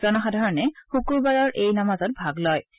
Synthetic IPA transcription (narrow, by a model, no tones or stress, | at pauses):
zɔnɔxadʱaɹɔnɛxukuɹbaɹɔɹʔejnamazɔt̚bʱaɡlɔj